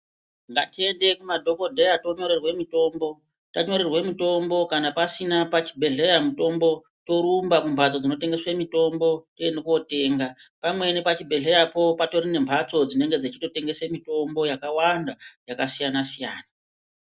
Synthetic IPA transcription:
ŋɡa̰tie̞nde̞kumadʱo̞ko̞dʱe̞jato̞ɲo̞ɾe̞rwe̞mito̞ːmbo̞ | taɲo̞ɾerwe̞mito̞mbo̞kanapasinapat͡ʃi̥bʱe̞ɮe̞jamuto̞mbo̞ | to̞ɾumbakumbʱat͡so̞d͡zino̞t̬e̞ŋɡe̞swemito̞mbo̞teenekuo̞te̞ːŋɡapamwe̞nepat͡ʃibʱe̞ɮe̞japo̞pato̞rine̞mbʱat͡so̞d͡zine̞ŋɡe̞d͡zet͡ʃito̞te̞ŋɡe̞semito̞mbo̞jakawandajakasijanasija̰ːna

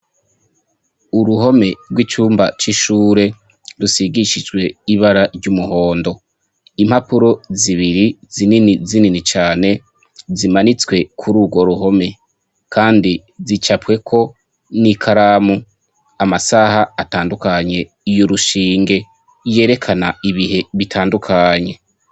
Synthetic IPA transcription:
uɾuɦo̞me̞ɾɡwit͡ʃuːmbat͡ʃiʃuːɾe̞ | ɾusiɡiʃid͡ʒɡwe̞iβaɾaɾɟumuho̞ːndo̞ | im̥hapuɾo̞ziβiɾizininizininit͡ʃaːne̞ | zimanit͡swe̞kʰuɾuɡwo̞ɾuɦo̞me̞ | kʰaːndi | zit͡ʃapwe̞kʰo̞ | nikʰaɾaːmu | amasahaːtaːndukaɲe̞ | ijoɾuʃiːŋɡe̞ | je̞ːɾe̞kʰanaiβihe̞βitʰaːndukʰaɲe̞

